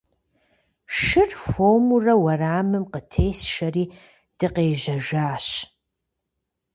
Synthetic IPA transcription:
ʃɨrfomurɐwɐraːmɨmqətʰeːjsʃɐriː | d̥ɨqeːʒɐʒaːɕ

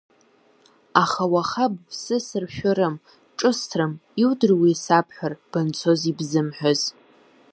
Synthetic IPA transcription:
aχawaχab̚sɨsɨrʃᶣʷʊɾɨm | ʈ͡ʂʼɨstʰrɨmiwdɨrwiːsapʰħʷᶣarb̥ɨnt͡sʰo̞zibzɨmħʷᶣaz

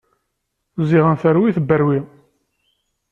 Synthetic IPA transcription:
ziʁənθəɾwiθəbːəɾwi

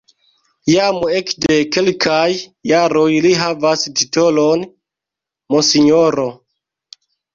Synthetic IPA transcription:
jamue̞kde̞ke̞lkʰajːaɾo̞jliɦavastito̞lo̞n | mosiɲo̞ɾo

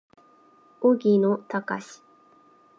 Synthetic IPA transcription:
oɡʲinot̪akaɕi̥

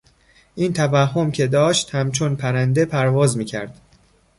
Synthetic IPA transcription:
ʔiːnt̪ʰævæhːo̞mcʲʰe̞d̪ɒːʃt̪hæmt͡ʃʰonpʰæɾænd̪e̞pʰæɾvɒːzmiːcʰæ̰ɾd̪̥

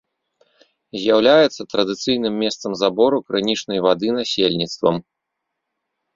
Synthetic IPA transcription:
zʲjawlʲajɛt̪sːɐt̪ɾɐd̪ɨt̪sɨjn̪ɨmːʲɛst̪sɐmzabɔɾukɾɨnʲit͡ʂnɐjvad̪ɨnasʲelʲnʲit̪st̪vɐ̰m

